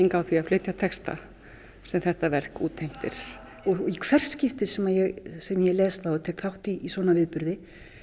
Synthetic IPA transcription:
iŋkawθviafleːjt̪jat̪ʰɛkst̪a̰ | sɛmθɛht̪avɛr̥kṵːt̪ʰejm̥t̪ɪ̰ɾ̥ | ɔɣikʰvɛr̥scɪft̪ɪsɛmajɛɣsɛmjɛlɛːst̪θaɔt̪ʰɛːkθawht̪iːsvɔːnavɪðpʏɾðɪ

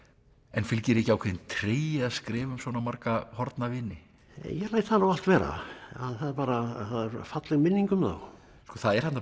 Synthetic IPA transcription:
ɛnfɪlcɪɾɪhcɪawkʰɛðɪnt̪ʰɾeːjaðskɾɪːvʏmsvɔːnamaɾkahɔɾt̪navɪnːɪ | jɛɣlaːjt̪θanawal̥t̪vɛːɾa̰aðθaðaɾpaːɾaθaðɛɾfat̪lɛɣmɪnːiŋkʏmða̰w | skɔθaðɛɾhant̪a

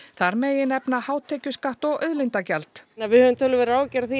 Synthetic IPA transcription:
θaɾmeːjɪnɛpnahaːwt̪ʰɛːcʏskaht̪ɔɣʔœðlint̪acɛlt̪avɪhœvʏmt̪ʰœlːʏvɛɾɾaːwcɛɾθi

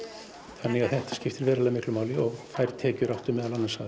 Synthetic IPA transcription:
θanːɪɣaðθɛht̪ḁscɪft̪ɪɾvɛːɾalamɪhklʏmaːwlɪɔɣfajɾ̥t̪ʰɛːcʏɾawht̪ʏmɛðalanːansaːðɪ

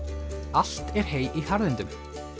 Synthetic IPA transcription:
al̥t̪ɛɾ̥heːjihaɾðɪnt̪ʏm

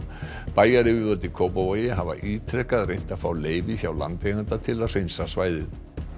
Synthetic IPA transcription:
paːjaɾɪvɪvɔt̪ɪkʰowpavajɪɦava̰ʔiːt̪ʰɾɛkaðɾejn̥t̪aðfaːwleːjvɪçawla̰nt̪ejɣant̪at̪ʰɪlaðr̥ejnsasvaːjðɪð

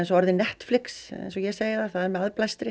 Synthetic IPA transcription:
ɛnsɔaɾðɪnɛht̪flɪksɛ̰jnsɔjɛseːjɪθaθaðɛɾmɛaðplajst̪ɾɪ

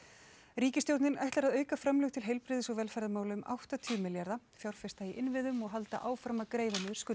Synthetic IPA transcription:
ɾiːcɪst̪jowt̪nɪnʔa̰jht̪laɾaðœːɥkafɾamlʏɣt̪ʰɪlɦejlpɾɪðɪsɔɣvɛlfajɾðamaːwlʏʏmʔa̰wht̪at̪ʰʏʏmɪljaɾða | fjawɾ̥fɪst̪aiʔɪnvɪðʏmɔɣɦalt̪a̰ʔaːwfɾamːakɾeːjvanɪðʏɾskʏ

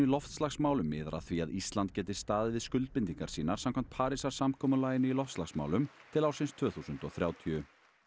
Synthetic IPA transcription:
ilɔft̪slaxsmaːwlʏmːɪːðɾʔa̰θviaðist̪lant̪̚cɛːt̪ɪst̪aːðɪvɪðskʏlt̪̚pɪnt̪iŋkaɾ̥siːnaɾ̥samkʰam̥t̪pʰaːɾisaɾ̥samkʰɔːmʏlaːjɪnʏilɔft̪slaxsma̰wlʏmt̪ʰɪlawɾsɪnst̪ʰvœːθusʏnt̪ɔɣθɾjaːwt̪ʰiʏ

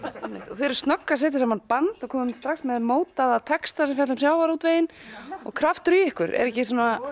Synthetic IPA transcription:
ɛmɪ̰ht̪ɔθeɾst̪nɔkːas̬ɛːt̪ɪsamanpant̪ɔkʰɔːmʏmst̪ɾaxsmɛðmoːwt̪aðat̪ʰɛkst̪asɛmfjɛt̪ʏmsjaːwvaɾut̪veːjɪnɔ̰ɣkʰɾaft̪ʏɾiɪhkʏɾɛ̰ɾɛhcɪs̬uːna

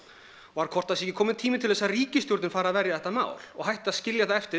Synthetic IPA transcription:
ɔvaɾkʰɔr̥t̪aðsɛhcɪkʰɔːmɪnt̪ʰiːmɪnt̪ʰɪlðɛsːaɾriːcɪst̪jɔɾt̪nɪnfaːɾaðvɛɾjaðɛht̪ːama̰ːwl̥ɔɣɦajht̪ɪaðscɪljaθaɛft̪ɪ

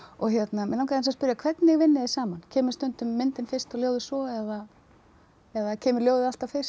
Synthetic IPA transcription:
ɔɣçjɛt̪namɛnawkaɾɪnsaspʏɾjakʰvɛt̪nɪɣvɪnːɪðɪsaːmancʰɛːmʏɾst̪ʏnt̪ʏmːɪnt̪ɪnfɪr̥st̪ɔɣljoːwðʏsvɔɛða | ɛðacʰɛːmʏɾljoːwðɪalt̪awfɪr̥

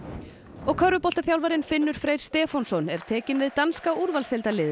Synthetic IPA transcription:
ɔɣkʰœɾːʏpɔlt̪aθjawlvaɾɪnfɪnːʏɾ̥fɾeːjɾ̥st̪ɛːfɔnsɔnɛɾ̥t̪ʰɛːcɪnvɪðt̪anskauɾvalsɛlt̪alɪːð

